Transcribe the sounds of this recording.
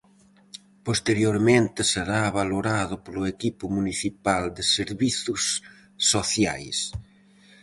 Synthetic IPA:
post̪eɾjoɾmẽnt̪ɪseɾaβaloɾaðʊpoloekipʊmuniθipald̪eseɾβiθʊsː | oθja̰js

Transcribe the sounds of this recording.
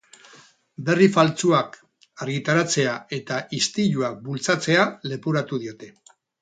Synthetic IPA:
be̞rifalt͡suak | aɾɣit̪aɾat͡se̞ae̞t̪aʔist̪iʎuak̚bult͡sat͡se̞ale̞puɾat̪uð̞io̞t̪e̞

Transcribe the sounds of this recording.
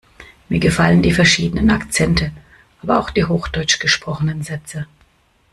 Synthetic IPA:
miːɐɡəfaləndiːfɛɐʃiːdənənakt͡sɛntʰə | ʔaːbɐʔaʊxd̥iːɦoːxd̥ɔʏt͡ʃɡ̥əʃpʁ̥ɔχənənzɛt͡sə

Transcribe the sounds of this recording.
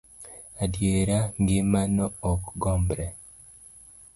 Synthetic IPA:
adjeɾaŋɡɪmanɔɔkɡɔmbɾɛ

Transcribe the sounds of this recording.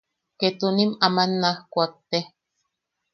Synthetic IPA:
ket̪unimamanːahkʷak̚t̪e

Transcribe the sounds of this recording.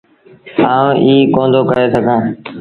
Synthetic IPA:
aːõːʔiːkõːnd̪ʱoːkəɾeːsəɡʱãː

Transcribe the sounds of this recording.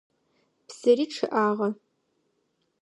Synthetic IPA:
psɐɾiːʈ͡ʂʰɨʔaːʁɐ

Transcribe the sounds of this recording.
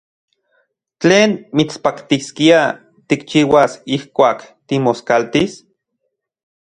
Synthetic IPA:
t͡ɬeːnmit͡spakt̪iskia | t̪ikt͡ʃiːwasihkʷaːkt̪imoskalt̪is

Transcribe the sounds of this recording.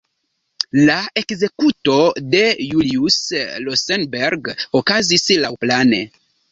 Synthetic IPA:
lae̞kze̞kuto̞de̞juliuslosenbeɾɡokazislawplane̞̰

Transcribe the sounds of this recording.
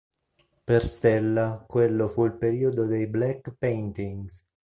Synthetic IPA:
perst̪elːakwelːofuilpeɾiːod̪od̪ejblɛkːpent̪iŋɡs

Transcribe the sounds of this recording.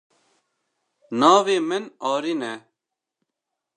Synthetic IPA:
nɑːveːmɪnɑːɾinɛ

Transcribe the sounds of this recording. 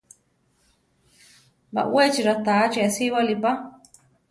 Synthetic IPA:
ba̰ʔwet͡ʃiɾat̪at͡ʃiasiwalipa

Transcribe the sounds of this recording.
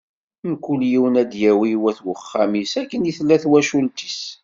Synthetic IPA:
mkːuljiwnæd̪jæwiwæθwəχːamisækːənjiθlːæθwæʃult̪i̥s

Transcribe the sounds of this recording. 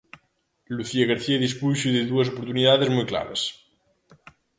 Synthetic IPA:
luθiaɣaɾθiaðispujʃiðeðuɐsopoɾt̪uniðaðezmujkla̰βɐs

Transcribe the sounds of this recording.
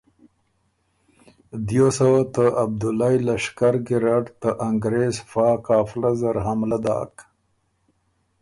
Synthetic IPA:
d̪josawat̪əab̚d̪ʊlajlaʂkaɾɡiɾaʈt̪əʔaŋɡɾezfaːkaːflazaɾɦamlad̪ɑ̰ːk

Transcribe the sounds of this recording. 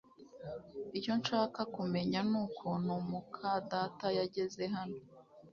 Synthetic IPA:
ijo̞nʃaːkakume̞ɲanuːkʰonumukʰadatajaɟe̞ze̞ɦano

